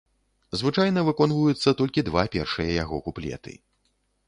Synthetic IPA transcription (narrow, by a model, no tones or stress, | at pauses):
zvɨt͡ʂajn̪ɐvɨkɔnvujut̪sːɐt̪ɔlʲkʲid̪vapʲɛrʂɨjɐjaɣɔkuplʲɛ̰t̪ɨ̰